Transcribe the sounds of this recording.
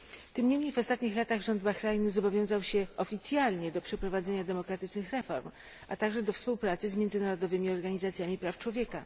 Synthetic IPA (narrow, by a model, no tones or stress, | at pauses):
t̪ɘmɲemɲejvɔst̪at̪ɲixlat̪aɣʐɔnd̪baxɾajnuzɔbɔvʲjɔ̃w̃zawɕɛɔfʲit̪sʲjalɲɛd̪ɔpʂɛpɾɔvad̪zɛɲad̪ɛmɔkɾat̪ɘt͡ʂnɘxɾɛfɔ̰ɾm | ʔa̰t̪aɡʐɛd̪ɔfspuwpɾat̪sɘzmʲjɛnd̪zɘnaɾɔd̪ɔvɘmʲiɔɾɡaɲizat̪sʲjamʲipɾaft͡ʂwɔvʲjɛka